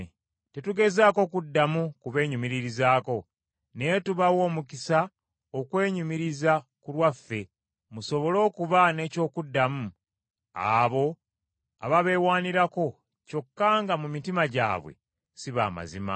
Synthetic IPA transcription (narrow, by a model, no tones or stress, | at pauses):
te̞tuɡe̞zaːko̞kudːamukuβe̞ːɲumiɾiɾizaːko̞ | ne̞tuβawo̞ːmukisa | okwe̞ːɲumiɾizakulwafːe̞ | muso̞βo̞lo̞ːkuβane̞ːco̞ːkudːamu | a̰βo̞ | a̰βaβe̞ːwaːniɾako̞ | co̞kːaŋɡamumitimaɟa̰ːβwe̞̰ | siβa̰ːma̰zima̰